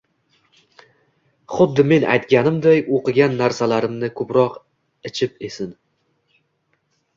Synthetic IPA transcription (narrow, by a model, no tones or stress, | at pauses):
χʊd̪ːɪme̞na̰jt̪ɡʲanɪmd̪ajoqɨɡʲanːaɾsalaɾɪmnɪkʰɵpɾɒq | ɪt͡ʃʰɪpesɪn